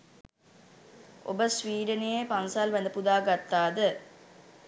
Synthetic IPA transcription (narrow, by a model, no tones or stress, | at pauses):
ʔo̰bəsʋiːɖənejepansaːlʋɛnd̪əpud̪aːɡat̪ːaːd̪ə